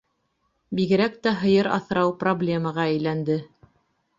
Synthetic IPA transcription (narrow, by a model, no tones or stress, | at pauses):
biɣɘ̆ɾæk̚t̪æɦɤ̆jɤɾɑ̰θɾɑwproblʲe̞məʁɑæjlænd̪ɘ